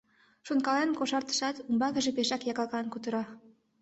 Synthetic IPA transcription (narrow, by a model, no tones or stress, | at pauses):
ʃonkɑlenkoʃɑrt̪ə̥ʃɑt̪umbɑɣə̆ʒĕpeʃɑkjɑkɑkɑnkut̪ə̆ɾɑ